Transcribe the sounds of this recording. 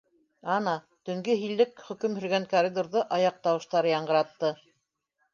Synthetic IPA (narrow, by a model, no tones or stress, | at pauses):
ɑnɑ | t̪ɵ̆ŋɡɘɦilːɘkχɵ̆kɵmhɵ̆ɾɡæŋkorʲid̪oɾðɤʔɑjɑq̚t̪ɑwɤ̆ʃt̪ɑɾɤjɑɴɢɤ̆ɾɑt̪ːɤ